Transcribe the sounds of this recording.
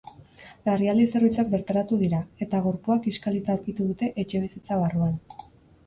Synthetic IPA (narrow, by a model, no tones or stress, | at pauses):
ariald̪ise̞rβit͡sak̚be̞ɾt̪aɾat̪uð̞iɾae̞t̪aɣ̞o̞ɾpuakiskalit͡s̪auɾkit̪uðut̪e̞ʔe̞t͡ʃe̞β̞isit͡saβ̞aruan